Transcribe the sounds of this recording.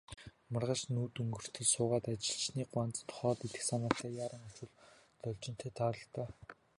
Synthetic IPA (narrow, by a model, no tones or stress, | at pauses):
marʁə̆t͡ɕnuːt̪ɵŋɡɵ̆r̥t̪ʰĭːsʊːʁaːt̪at͡ɕɪ̆ɬt͡ɕniːɢwant͡sət̪χɔːt̪it̪ɘ̥̆xsʰanaːɬt̪æːjaːɾə̆ŋɔt͡ɕʊ̆ɮ | t͡s̪ɔɮʲt͡ɕɪ̆n̥t̪ʰeːt̪ʰaɾə̆ɬt̪aː